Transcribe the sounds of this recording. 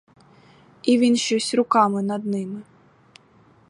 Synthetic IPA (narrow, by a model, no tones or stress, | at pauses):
ivʲinʃɔsʲrʊkamɨnɐd̪nɨmɨ